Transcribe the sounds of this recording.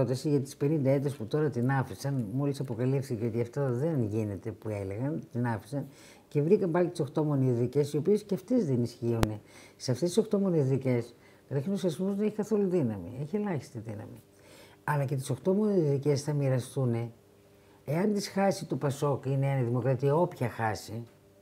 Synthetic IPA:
ot̪ɐsiʝɐt̪i̥spe̞nind̪ɐe̞t̪esput̪o̞ɾɐt̪inɐfisɐnmo̞lisɐpo̞kɐlifθiceo̞t̪iɐft̪ɐðe̞nʝine̞t̪e̞pue̞le̞ɣɐnt̪inɐfi̥sɐn | ce̞vɾikɐmpɐlit̪i̥so̞xt̪o̞mo̞nizðice̞sio̞pie̞sceɐft̪e̞zðenisçiune̞seɐft̪est̪iso̞xkt̪o̞mo̞nezðice̞s | ɾɐçinosɐsmozneçi̥kɐθo̞luðinɐmḭeçie̞lɐçi̥st̪iðinɐ̰mḭ | ɐlɐce̞t̪i̥so̞xt̪o̞mo̞nezðice̞sθɐmiɾɐst̪une | eɐnt̪isxɐsit̪upɐso̞kineeniðimo̞kɾɐt̪iɐo̞pçɐxɐsi

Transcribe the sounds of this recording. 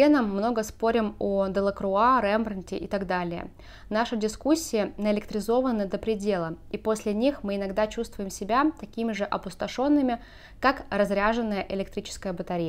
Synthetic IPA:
enəmːno̞ɡəspo̞ɾʲɪmod̪əlˠəkɾʊaɾɛmbɾənʲtʲɪ̰ʔɪt̪aɡd̪alʲɪjə̰ | naʂɨdʲɪskusʲːɪjɪnəɪlʲɪkt̪ɾʲɪzo̞vənːəd̪əpɾʲɪdʲe̞lˠəipo̞sʲlʲɪnʲixmɨɪnɐɡd̪at͡ɕust̪vʊjɪmsʲɪbʲat̪ɐkʲimʲɪʐɨʔɐpʊst̪ɐʂo̞nːɨmʲɪ | kakrɐzɾʲaʐɨnːəjəʔɪlʲɪkt̪ɾʲit͡ɕɪ̥skəjəbət̪ɐɾʲijə

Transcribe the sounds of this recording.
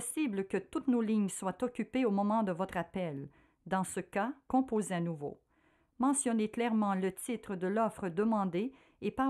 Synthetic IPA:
sibləkət̪ut̪noliɲswat̪ɔkʲypeomɔmɑ̃d̪əvɔt̪χapɛl | d̪ɑ̃səkakɔ̃pozeanuvo̰ | mɑ̃sjɔneklɛʁmɑ̃lət̪it̪χəd̪əlɔfχəd̪əmɑ̃d̪e | epa

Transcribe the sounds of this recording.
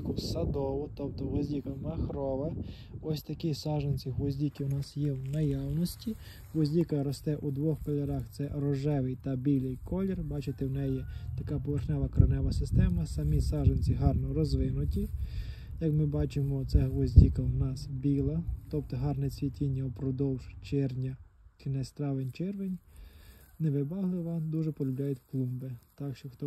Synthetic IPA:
kʊsɐd̪ɔʋʊt̪ɔp̚t̪ɔɦlɔzʲdʲikɐmɐxɾɔʋɐ | ɔsʲt̪ɐkisɑʒenʲt͡sʲiɦlɔzʲdʲikɪʊnɑsjɛwnɐjɑwnɔsʲtʲi | ɦɔzʲdʲikɐɾɔst̪ɛʔud̪ʋɔxkɔlʲɐɾɑxt̪sɛɾɔʒɛʋɪjt̪ɐbʲilʲɪjkʰɔlʲɔrbɑt͡ʃɪt̪ɪwnɛjit̪ɐkɑpɔʋerxnɛʋɐkɾɐnɛʋɐsɪst̪ɛmɐsɐmʲisɑʒenʲt͡sʲiɦɑrnɔɾɔzʋɪnʊtʲi | jɐkmɪbɑt͡ʃɪmɔt̪sɛʋɔzʲdʲikɐwnɑsbʲilˠɐt̪ɔp̚t̪ɔɦɑrnɛt͡sʲʋʲitʲinʲːɐpɾɔd̪ɔwʒ̥t͡ʃɛrnʲɐt͡ʃɪnɛst̪ɾɑʋenʲt͡ʃɛrʋenʲ | neʋɪbɑɦlˠɪʋɐd̪uʒɛpɔlʲʊblʲajʊtʲklˠumbɪt̪ɑkʃt͡ʃɔxt̪ɔ

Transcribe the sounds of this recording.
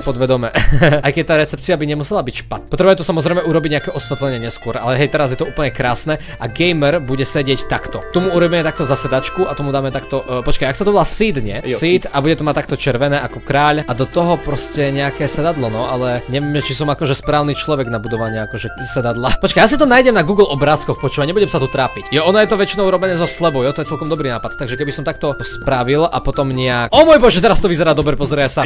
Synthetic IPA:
pɔd̪ʋɛd̪ɔmɛajkɛc̚ʲt̪aːɾɛt͡sɛp̚t͡siabiɲɛmusɛlabicʃpat̪pɔt̪ɾɛbajut̪ɔsamɔzɾɛɪmɛuɾɔbiɟɲɛakɛʔɔsʋɛt̪lɛɲɪɛɲɛskʊɔɾa̰lɛɦɛjt̪ɛɾazjɛt̪ɔuːpl̩ɲɛkɾaːsnɛ | aɡɛjmɛɾbuɟɛsɛɟɪɛct̪akt̪ɔt̪ɔmuuɾɔbimɛt̪ak̚t̪ɔzasɛd̪at͡ʃkuat̪ɔmud̪aːmɛt̪akt̪ɔpɔt͡ʃkajaksat̪ɔbɔlasiːd̪ɲɛsit̪abuɟɛt̪ɔmac̚t̪ːak̚t̪ɔt͡ʃɛɾʋɛnɛːʔakɔkɾaːʎʔad̪ɔt̪ɔɦɔpɾɔscɛɲɛakɛːsɛd̪ad̪lɔnɔalɛɲɛʋjɛmʒɛt͡ʃisɔmakɔʒɛspɾaːʊnit͡ʃlɔʋɛɡnabud̪ɔʋaɲiakɔʒɛsɛd̪ad̪lapɔt͡ʃkajas̬it̪ɔnaːjɟɛmnaɡuːɡlʔɔbɾaːskɔxpɔt͡ʃuːaɲɛbuɟɛmsat̪ut̪ɾaːpicjɔʔɔnɔjɛt̪ɔʋɛt͡ʃinɔʊɾɔbɛnɛːzɔslɛbɔʊjɔt̪ɔjɛt͡sɛlkɔmd̪ɔbɾinaːpat̪t̪aɡʒɛkɛbisɔmt̪ak̚t̪ɔspɾaʋila̰pɔt̪ɔmɲɛakɔmɔːjbɔʒɛt̪ɛɾast̪ɔʋizɛɾaːd̪ɔbɾɛpɔzɾɛɛsa

